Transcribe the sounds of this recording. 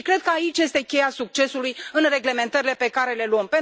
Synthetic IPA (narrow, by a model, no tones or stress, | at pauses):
kɾe̞d̪̚kəait͡ʃʲje̞st̪e̞kʲe̞jasuk̚t͡ʃe̞sulujɨnre̞ɡle̞me̞nt̪əɾile̞pe̞kaɾe̞le̞luəmpe̞n